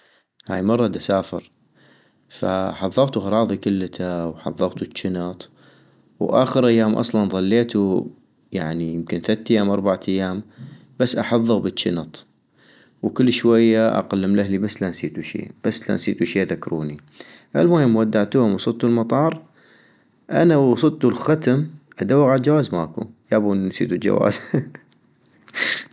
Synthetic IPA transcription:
ha̰ːjmɑrˤːɑd̪asaːfɪɾ | fa̰ħɑðˤːɑɣt̪uhɑɾˤɑːðˤikʊlːt̪ʰawħɑ̰ðˤːɑɣt̪ut͡ʃːɪnɑt̪ˤ | wʔa̰ːxəɾʔajːaːmʔɑ̰sˤlɑnðˤɑlːeːt̪u | jaʕnijɪmkɪnθat̪ːajːaːmʔɑɾˤbaʕaajːaːm | b̥asːʔaħɑðˤːɨɣbət͡ʃːɪnɑt̪ˤ | wkɪlːʃwajːaʔa̰qalːɪmlahlibasːlansiːt̪uʃḭːb̥asːla̰nsiːt̪uʃiːʔðakɾṵːni | ʔa̰lmaːjɪmwad̪ːaʕt̪uːhʊmwɑsˤɨlt̪ulmɑt̪ˤɑːɾˤ | ʔa̰nawɑsˤɨt̪ulxat̪amʔad̪awaɣʕad̪d͡ʒawaːzmaːkṵjaːbunsḭːt̪uld͡ʒa̰wa̰ːz

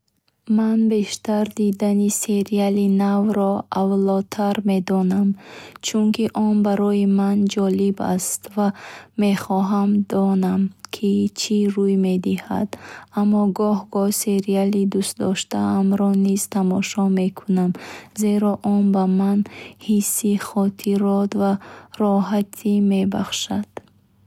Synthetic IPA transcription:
manbe̞ʃt̪aɾd̪id̪anise̞ɾialinavɾɔavlɔt̪ʰaɾme̞d̪ɔnamt͡ʃʰuŋkʰiʔɔnbaɾɔimand͡ʒɔliba̰st̪vame̞χɔɦamd̪ɔnamkʰit͡ʃʰiɾujme̞d̪iha̰d̪amːɔɡɔhɡɔse̞ɾialid̪ust̪d̪ɔʃt̪aamɾɔniz̥t̪ʰamɔʃɔme̞kʰunamze̞ɾɔʔɔnbamanhisːiχɔt̪ʰiɾɔt̪vaɾɔɦat̪ʰime̞ba̰χʃad̪̥

